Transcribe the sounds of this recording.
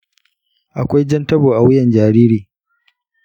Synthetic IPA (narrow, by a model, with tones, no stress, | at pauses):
ʔa˨kʷa˦jd͡ʒɐ˦ntɐ˦boː˨ʔa˨wɪ˦jɐ˨nd͡ʒaː˨ɾiː˦ɾiː˨